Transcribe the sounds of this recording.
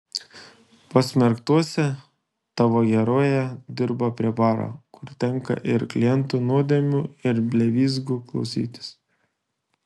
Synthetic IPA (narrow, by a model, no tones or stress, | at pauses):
pɐsʲmʲɛɾkt̪uɔsʲɛ | t̪ɑːʋoːɡʲɛɾoːjɛd̪ʲɪɾbɐpʲɾʲiɛbɑːɾo̰kʊɾt̪ʲɛŋˑkɐ̰ʔɪɾklʲɪjɛnt̪uːnuɔd̪ʲeːmʲuːɪɾbʲlʲɛʋʲiːzɡuklˠɒ̰ʊsʲḭːt̪ʲɪ̥s